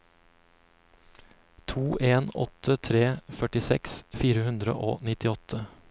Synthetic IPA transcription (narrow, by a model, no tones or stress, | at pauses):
t̪ʰuːʔeːnɔ̰t̪ʰət̪ʰɾeːfœʈɪsɛ̰ksfiːɾəhʉnd̪ɾə̰ʔo̰ːnɪt̪ɪɔt̪ʰə